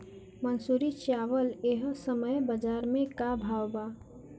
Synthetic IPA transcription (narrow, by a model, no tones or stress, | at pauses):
mənsuːɾit͡ʃaːʋəleɦsəməjbəd͡ʒaːɾmẽkabʱaːwbaː